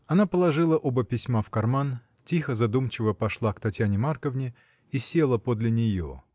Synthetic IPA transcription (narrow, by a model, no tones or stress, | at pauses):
ɐnapəlˠɐʐɨlˠəʔobəpʲɪsʲmafkɐrman | tʲixəzɐd̪umt͡ɕɪvəpɐʂlˠakt̪ɐtʲjanʲɪmarkəvnʲɪ | isʲe̞lˠəpod̪lʲɪnʲɪjo̰